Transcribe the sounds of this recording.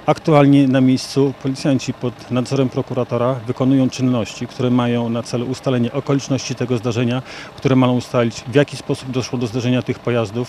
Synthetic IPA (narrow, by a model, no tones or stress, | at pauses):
akt̪ualɲɛnamʲjejst̪supɔlʲit̪sʲjaɲt͡ɕipɔd̪nad̪zɔɾɛmpɾɔkuɾat̪ɔɾavɘkɔnujɔ̃w̃t͡ʂɘnːɔɕt͡ɕikt̪uɾɛmajɔ̃w̃nat̪sɛluʔust̪alɛɲɛʔɔkɔlʲit͡ʂnɔɕt͡ɕit̪ɛɡɔzd̪aʐɛɲakt̪uɾɛmajɔ̃w̃ust̪alʲid͡ʑvʲjakʲispɔsub̚d̪ɔʂwɔd̪ɔzd̪aʐɛɲat̪ɘxpɔjazd̪uf